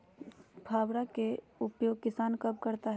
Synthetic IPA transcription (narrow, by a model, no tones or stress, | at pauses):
pʰaːwɾake | ʊpjoːɡ̚kɪsaːnkɐb̚kɐɾt̪aɦɛ